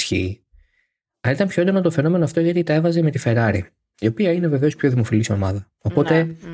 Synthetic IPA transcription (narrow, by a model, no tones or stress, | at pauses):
çḭ | ɐlit̪ɐnmpço̞nd̪onot̪o̞fe̞no̞me̞noɐft̪o̞ʝɐt̪it̪e̞vɐzeme̞t̪ife̞ɾɐɾi | io̞piɐine̞ve̞ve̞o̞spço̞ðimo̞filisio̞̰mɐðɐ | o̞po̞t̪e̞